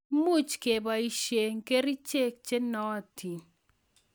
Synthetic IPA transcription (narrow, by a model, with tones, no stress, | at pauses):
mu˦t͡ʃke˨ba˨i˦ʃe˨ŋ˦ke˦ɾi˦t͡ʃe˦k̚t͡ʃe˦nɔ˨˦a˨ti˨n